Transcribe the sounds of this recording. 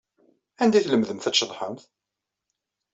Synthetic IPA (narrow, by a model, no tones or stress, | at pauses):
ænd̪æjθləmðəmθæʃːəðˤħəmθ